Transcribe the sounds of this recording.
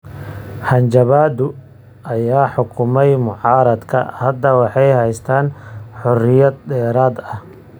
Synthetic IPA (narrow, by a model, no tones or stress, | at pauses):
ħɑnt͡ʃɐβaːd̪ʊ | ʔɐjaːħʊkʰʊmɛjmʊʕɑːɾɐd̪kʰɐ̰hɐd̪ɐwɑħɑjhɛjst̪ʰaːnħɔrɪjɐd̪̚dɛːɾaːd̪ɐh